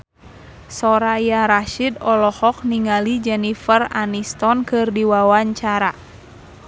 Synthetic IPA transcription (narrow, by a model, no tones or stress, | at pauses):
sɔɾajaɾaʃidɔlɔhɔk̚niŋalid͡ʒɛnifəranist̪ɔnkɨrdiwawaɲt͡ʃaɾa